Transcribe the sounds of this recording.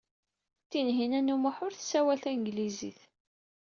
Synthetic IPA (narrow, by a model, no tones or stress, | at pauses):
t̪ːinɦinænumaħʊɾθsæwælθæŋɡlizḭθ